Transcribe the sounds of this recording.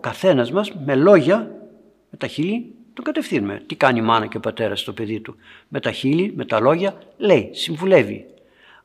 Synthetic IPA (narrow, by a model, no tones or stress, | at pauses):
okɐθe̞nɐzmɐzme̞lo̞ʝɐ | me̞t̪ɐçili | t̪oŋɡɐt̪e̞fθinume̞̰t̪ikɐniimɐnɐceopɐt̪e̞ɾɐst̪o̞pe̞ðit̪ume̞t̪ɐçilime̞t̪ɐlo̞ʝɐle̞isiɱvule̞vḭ